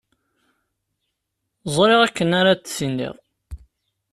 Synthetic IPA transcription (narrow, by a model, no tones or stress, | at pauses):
zˤɾˤeʁækːənaɾat͡s̪ːsinːḭʁˤ